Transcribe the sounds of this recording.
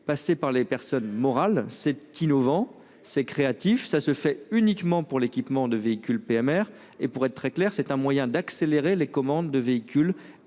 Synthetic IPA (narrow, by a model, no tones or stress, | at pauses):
pasepaʁlepɛʁsɔnmɔʁalsɛt̪ʰinɔvɑ̃ | sɛkχeat̪ifsasəfɛynikmɑ̃puʁlekʲipmɑ̃d̪əveikʲylpeɛmɛʁ | epuʁɛt̪̚ːt̪χɛklɛʁsɛt̪ɛ̃mwajɛ̃d̪akseleʁelekɔmɑ̃d̪ːəveikʲyl